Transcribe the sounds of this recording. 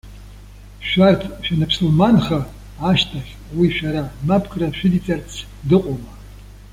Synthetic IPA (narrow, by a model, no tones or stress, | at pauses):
ʃʷᶣartʰʃᶣanɨpʰsɨlmanχɐ | aʃtʰaχʲ | wiʃʷᶣaɾamapʰkʰraʃᶣɪdit͡sʼart͡sʰ | dɨqʷʼʊma